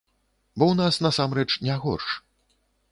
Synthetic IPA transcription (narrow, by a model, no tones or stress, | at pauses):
bɔwnasnɐsamɾɛt͡ʂnʲɛɣɔ̰rʂ